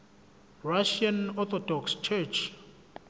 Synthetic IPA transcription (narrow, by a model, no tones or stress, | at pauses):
raʃianɔt̪ʰɔdɔkst͡ʃʰɛt͡ʃʰ